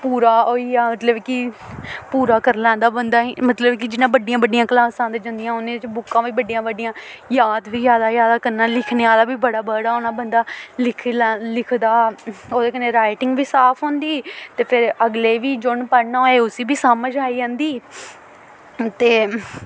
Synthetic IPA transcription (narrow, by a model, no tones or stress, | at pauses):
puːɾaːɦoːiːaːmət̪ləbkɪpuːɾaːkəɾlɛ̃ːnd̪aːbənd̪aːimət̪ləbkɪd͡ʒɪnãːbəɖɪjãːbəɖɪjãːkəlaːsãːd̪eːd͡ʒə̃nd̪ijãːʊnẽːt͡ʃbʊkːãːʋiːbəɖɪjãːbəɖɪjãːjaːd̪ʋiːjaːd̪aːjaːd̪aːkəɾnaːlɪkʰneːaːlaːbiːbəɽaːbəɽaːonaːbənd̪aːlɪkʰlːlɪkʰd̪aːoːd̪eːkəneːɾaːɪʈɪ̃ŋɡʋiːsaːpʰɦõːnd̪iːt̪eːpʰɪɾəɡleːʋiːd͡ʒʊɳpəɾnaoːeːʊsiːbiːsəməd͡ʒaːiːãːnd̪iː | t̪eː